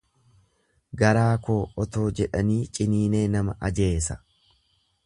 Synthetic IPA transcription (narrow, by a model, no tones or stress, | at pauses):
ɡɐɾaːko̞ːɔt̪o̞ːd͡ʒɛᶑɐniːt͡ʃʼɪniːne̞ːnɐmɐ̰ʔɐd͡ʒe̞ːsɐ̥